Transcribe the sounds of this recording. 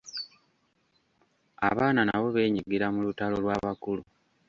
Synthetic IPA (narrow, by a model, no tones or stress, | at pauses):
a̰βaːnanaβo̞βe̞ːɲiɡiɾamulutalo̞lwaːβakulu